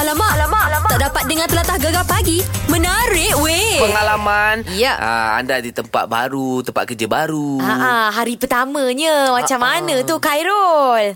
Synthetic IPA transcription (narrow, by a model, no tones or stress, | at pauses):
alamaʔlamat̪aʔdapat̪̚dəŋãnt̪əlat̪ahɡaɡapaɡimə̃nəɾɪʔwepəŋalamanijaa̰a̰ndadit̪əmpa̰t̪̚ba̰ɾut̪əmpat̪̚kərd͡ʒəbaɾuaʔaɦaɾipərt̪amə̃ɲəmat͡ʃamːanə̃t̪ukajɾɔl